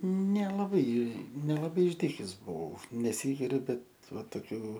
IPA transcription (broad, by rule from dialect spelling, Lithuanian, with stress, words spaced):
nʲɛlˠɐˈbɐɪ nʲɛlˠɐˈbɐɪ ɪʒʲˈdʲiːkʲɛs bʊˈʋɐʊ nʲɛˈsʲiːɡʲɪrʲʊ ˈbʲɛt ˈʋɐ toːˈkʲuː